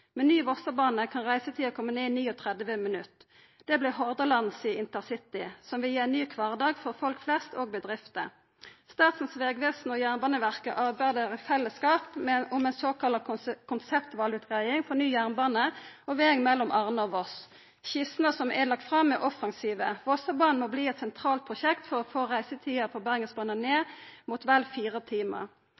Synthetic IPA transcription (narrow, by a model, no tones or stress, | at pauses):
mɛnːyːʋɔsəbɑːnəkʰɑnʁæɪsət̪ʰɪlɔkʰɔmːəneːɪniːɔt̪ʰʁɛd̪ʋəmɛnʉt̪ː | d̪̥ɛblɪɦɔʁd̪əlɑnsiːɪnt̪əʁsɪt̪ɪsɔmʋɪljeːnnyːkʰʋɑʁd̪ɑːɡfɔʁfɔlkflɛst̪oːɡ̚bəd̪ʁɪft̪ə̰ | st̪ɑːt̪sn̩sʋeːɡʋeːsn̩ɔjæːʁnbɑːnəʋæʁkəʔɑːbæd̪eːʁəfɛlːəskɑːpmʊmɛnsoːkʰɑlɑkʰʊnsɛpt̪ʋɑːlʉt̪ɡæɪɪŋfɔnyːjæʁnbɑːnəɔʋeːŋmɛlːɔmʔɑʁnəɔʋɔs | ɕɪsnəsɔmɛ̰lɑk̚t̪fʁɑmːɛʔɔfɑŋsiːʋəʋɔsəbɑːnn̩mɔbliːɛt̪sɛnt̪ʰʁɑːlt̪̚pʰʁʊʃɛkt̪fɔʁɔfoːʁæɪsət̪ʰiːəpʰɔbæʁŋəsbɑːnəneːmuːt̪ʋælfiːʁət̪ʰiːmə̰ʁ